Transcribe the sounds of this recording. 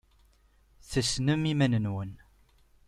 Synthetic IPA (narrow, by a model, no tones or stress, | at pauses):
θəsnəmimænənwən